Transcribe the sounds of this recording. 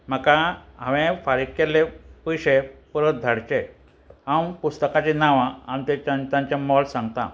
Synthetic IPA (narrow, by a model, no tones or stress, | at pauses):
m̤əkaɦãʋẽfaɾikkelepəjɕepuɾot̪̚d̪ʱaɽt͡ɕe | ɦãmpust̪əkat͡ɕinaʋãanit̪et͡ɕant̪ãɲt͡ɕamɔlsãŋɡt̪ã̰